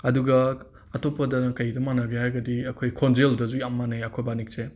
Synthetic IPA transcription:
ɐduɡɐ | ɐtopːɐdɐkɐjdɐmanɐɡehajɡɐdiɐkʰojkʰonzeldɐzujamːanajɐkʰojbanik̚se

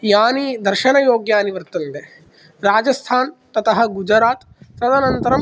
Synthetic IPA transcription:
jaːnid̪ɐɾʃɐnɐjoːɡjaːɐniʋɐɾt̪ɐnt̪e | ɾaːd͡ʒɐst̪ʰaːnt̪ɐt̪ɐɦɐ̆ɡud͡ʒɾaːt̪ | sɾɐd̪ɐnɐnt̪ɐɾɐm

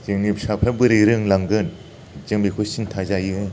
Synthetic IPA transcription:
zɯŋnipsapʰabɯɾiɾɯŋlaŋɡɯn | zɯŋbikʰusintʰazajɯɯ

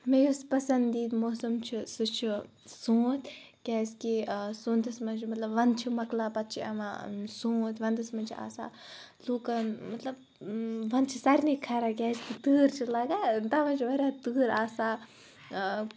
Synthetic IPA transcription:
mejoːspɐsɐnd̪d̪iːt̪moːsɐmt͡ʃʰisɨt͡ʃʰi | sõːt̪ʰ | kʲaːskisõːnt̪ɐsmɐnt͡ʃʰimɐt̪lɐbʋɐnt͡ʃʰimɐklaːpɐt̪̚t͡ʃʰiɐ̰ma̰sõːt̪ʰʋɐnt̪ɐsmɐnt͡ʃʰia̰ːsa̰ː | luːkɐnmɐt̪lɐb | ʋɐnt͡ʃʰisɐɾʲnikʰːɐɾakʲaːskit̪ɨːɾt͡ʃʰilɐɡant̪ɐʋɐnt͡ʃʰiʋɐɾʲaːt̪ɨːɾaːsaː

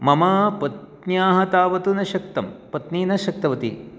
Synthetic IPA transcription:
mɐmɐpɐt̪ | njaːɦɐt̪aːʋɐt̪unɐʃɐk̚t̪ɐmpɐt̪niːnɐʃɐk̚t̪ɐʋɐt̪ḭ

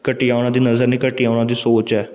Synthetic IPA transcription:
kəʈiːaːʊɽ̃ãːd̪iːnəzəɾniːkəʈiːaːʊɽ̃ãːd̪iːsoːt͡ʃɛː

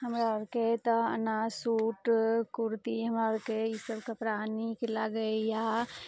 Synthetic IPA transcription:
ɦəmɾaɔɾket̪əə̰nasuːʈkuɾt̪iɦəmɾaɾkeisəbkapɾanikelaɡəja

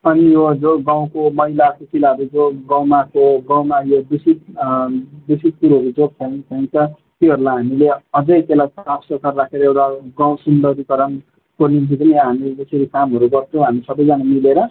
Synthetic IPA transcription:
ʌnijod͡zoɡãw̃komʌɦilakukilaɦʌɾud͡zoɡawmakoɡaw̃majobisit̪̚ | bisid̪̚kuɾʌɾud͡zoɡ̚t͡sʰʌj̃t͡sʰʌj̃ĩt̪ʌ | t̪eɦʌɾulaɦamileʌd͡zʌjt̪elajpapsʌkʰarrakʰeɾʌewʈaɡãw̃sund̪ʌɾikʌɾʌm | koninkʰid͡zʌniɦamid͡zʌsʌɾikamɦʌɾuɡʌrt͡sʰoɦamisʌbʌjd͡zʌnamileɾʌ

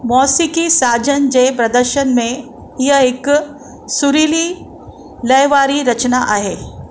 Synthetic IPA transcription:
mɔːsikisaːd͡ʑənd͡ʑeːpɾɐd̪əɾʃənmẽ | iɦəɪk | suɾiːli | ləjʋaːɾiɾɐt͡ʃnaʔaːɦeː

